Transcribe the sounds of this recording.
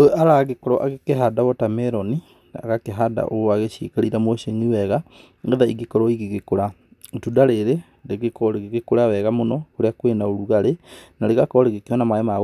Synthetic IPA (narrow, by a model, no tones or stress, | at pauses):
oaɾaɣekɔɾɔʔaɣekeɦadawɔtamɛɾɔni | a̰ɣakeɦada̰ʔoaɣeɕḭkaɾiɾamoɕeɲiwɛɣa | ɡɛðaiɡekɔɾɔiɣeɣekoɾa | otudaɾeɾe | ɾeɣekɔɾeɣeɣekoɾawɛɣamonɔkoɾeakwenaoɾuɣaɾenaɾeɣakɔɔɾeɣekeɔnamaemaɣ